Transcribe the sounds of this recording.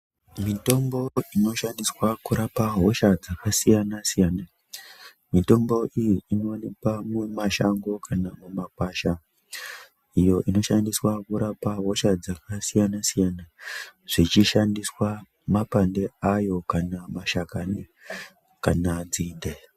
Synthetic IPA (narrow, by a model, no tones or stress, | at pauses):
mito̞mbo̞ino̞ʃandiswakuɾapaɦo̞ʃad͡zakasijanasijana | mito̞mbo̞ʔijiːno̞anikamwemaʃaŋɡo̞kʰanamumakwaʃa | ijo̞ʔino̞ʃandiswakuɾapaɦo̞ʃad͡zakasijanasijanaʐ̥it͡ʃiʃandiswa | mapande̞ajo̞kanamaʃakani | kanad͡zinde